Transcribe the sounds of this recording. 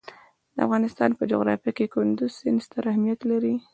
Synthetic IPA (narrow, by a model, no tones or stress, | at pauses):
d̪əa̰fɣɑnɪst̪ɑ̰npəd͡ʒʊ̰ɣɾɑ̰fjakekʊnd̪ʊzsɪnst̪aɾahmijat̪laɾi